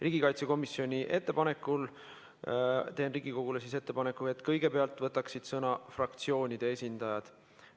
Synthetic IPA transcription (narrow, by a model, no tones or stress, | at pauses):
riːɡ̥ikɑjt̪se̞ko̞misjo̞nʲiʔe̞t̪ːˑe̞pɑne̞kːˑul | t̪e̞ːnriːɡ̥iko̞ɡ̥ulesise̞t̪ːe̞pɑne̞kːˑue̞t̪ːˑkɤjɡ̥e̞pe̞ɑlt̪ˑvɤt̪ːˑɑksid̪̥sɤnɑfrɑkt̪sio̞ːnʲid̪̥e̞e̞sʲind̪̥ɑjɑd̪̥